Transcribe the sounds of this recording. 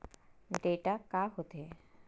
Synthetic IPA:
ɖeʈakaɦot̪e

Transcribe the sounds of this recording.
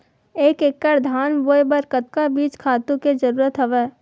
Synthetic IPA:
eːkekːəɾd̪ʱaːnboːjbəɾkət̪̚kabiːt͡ʃkʰaːt̪ũked͡ʒɐɾuːɾət̪ɦɐʋeː

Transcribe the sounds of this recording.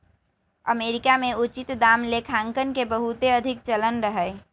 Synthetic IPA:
əmeːɾɪkamẽut͡ʃɪt̪d̪aːmlekʰãːŋkənkebəɦut̪eəd̪ʱɪkt͡ʃələnɾəɦəɪ

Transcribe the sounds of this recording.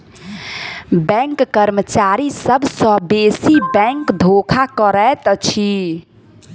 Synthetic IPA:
bɛ̃ŋkːəɾmət͡ʃaɾisəbʱsə̃besibɛ̃ŋkd̪ʱokʰakəɾət̪t͡ʃʰi

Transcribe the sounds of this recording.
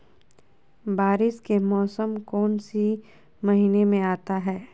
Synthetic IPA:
baːɾɪskemɔːsəmkɔːnsi | mɐɦiːnemẽaːt̪aɦɛː

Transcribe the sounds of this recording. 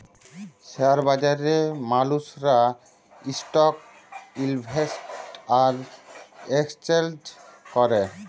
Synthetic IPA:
ʃeaɾbad͡ʑaɾemalusɾa | isʈɔk̚ | ilbʱesʈʈaɾ | ekst͡ɕeld͡ʒkɔɾe

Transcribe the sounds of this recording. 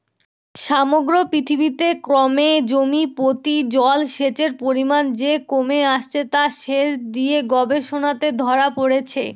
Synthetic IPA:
ʃamoɡɾopɾit̪ʰibit̪ekɾɔmed͡ʑomipɾot̪id͡ʑɔlʃet͡ɕeɾpoɾimand͡ʑekomeaʃt͡ɕʰet̪aʃeʃd̪ieɡɔbeʃonat̪ed̪ʱɔɾapoɽet͡ɕʰḛ

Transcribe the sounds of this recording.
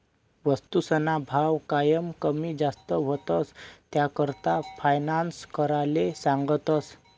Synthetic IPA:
ʋəst̪usənabʱaʋkajəmkəmiːd͡zast̪əʋət̪əst̪jakəɾt̪afajnanskəɾalesãŋɡət̪əs

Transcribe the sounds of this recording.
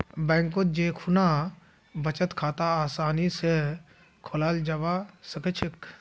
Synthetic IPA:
bɛ̃ːŋkot̪̚d͡ʒeːkʰuna | bət͡ʃət̪kʰaːt̪aaːsaːnise | kʰolaːld͡ʒɐʋasəkət͡ʃʰɪk

